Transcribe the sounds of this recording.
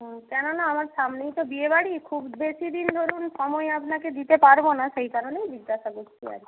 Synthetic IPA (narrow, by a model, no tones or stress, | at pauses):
ɦkɛnonaamaɾʃamnejt̪obiebaɽikʰubbeʃid̪ind̪ʱoɾunʃɔmɔeapnaked̪it̪epaɾbonaʃejkaɾonejbiɡːaʃakuɾt͡ɕʰia̰ɾ